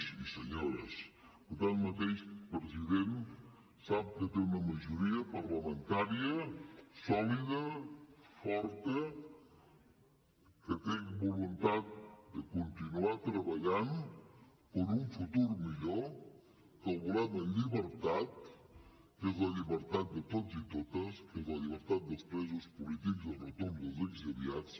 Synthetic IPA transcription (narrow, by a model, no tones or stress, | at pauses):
sisəɲoɾə̰s | pəɾt̪anmət̪eʃpɾəziðen | sap̚kət̪eunəməʒuɾiəpəɾləmənt̪aɾiəsɔliðə | fɔɾt̪ə | kət̪eŋbulunt̪at̪̚d̪əkunt̪inuat̪ɾəβəʎan | pəɾuɱfut̪uɾmiʎo | kəlˠβulat̪ləʎiβəɾt̪at̪̚ | kezləʎiβəɾt̪at̪̚d̪ət̪ozit̪ot̪əskezləʎiβ̞əɾt̪at̪̚d̪əspɾezuspulit̪ikzðəlrət̪uɾnd̪əlˠzelzəβiat͡s